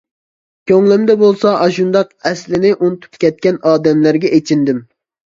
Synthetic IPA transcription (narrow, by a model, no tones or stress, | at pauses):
kʲʰøŋlɪmd̪ɛbolˠsɑʔɑʃund̪ɑqɛslɪnɪʔunɨt̪ʰu̥pkʲɛt̪̚kʲɛnɑːd̪ɛmlæɾɡʲɛʔet͡ʃʰind̪ɪm